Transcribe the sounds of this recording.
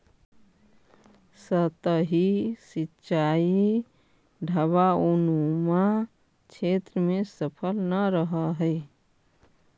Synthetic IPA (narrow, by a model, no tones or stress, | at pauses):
sət̪əɦisitːt͡ʃaːi | ɖʱəβaunumã | t͡ʃʰet̪ɾəmẽsəpʰəlnəɾəɦəɦəɪ